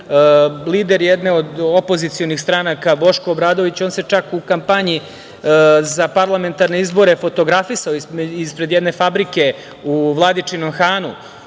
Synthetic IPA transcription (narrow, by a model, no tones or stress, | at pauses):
liːd̪e̞ɾjjed̪neo̞d̪o̞pozit̪sijo̞nixst̪ɾanakabo̞ʃko̞ːbɾaːd̪o̞ʋit͡ɕo̞ːnse̞t͡ʃakukampaɲi | zapaɾlˠame̞nt̪aɾne̞izbo̞ɾefo̞t̪o̞ɡɾafisaoispɾe̞d̪jed̪ne̞fabɾike̞ | uʋlˠad̪it͡ʂino̞mxaːnṵ